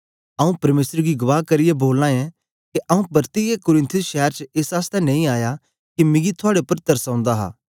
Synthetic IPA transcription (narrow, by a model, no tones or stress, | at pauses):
ɐũpɐɾmeːsəɾɡiɡʊʋaːɦkɐɾɪjeboːlnãːɛ̃ | kiʔɐũpɐɾt̪ijekʊɾɪ̃nt̪ʰʊsʃɛːəɾt͡ʃeːsaːst̪ɛnɐ̃ːĩaːja | kimɪ̃ɡit̪ʰʊaːɽepɐɾt̪ɐɾsãːnd̪aɦa̰ː